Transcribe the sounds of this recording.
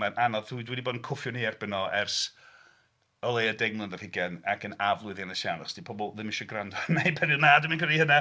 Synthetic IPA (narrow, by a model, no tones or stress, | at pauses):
anʔanɔðudwɛdiboːdnkʰʊfjɔniɛrb̥ɪnɔɛrs | əlˠejadɛɡ̚mlˠənðərhɪɡɛnakʰənavlˠʊɨðjanəʃawnɔsd̥ipʰɔbɔlˠðɪmɪʃɔɡrandɔnajpʰɛnjʊnadəminkʰihəna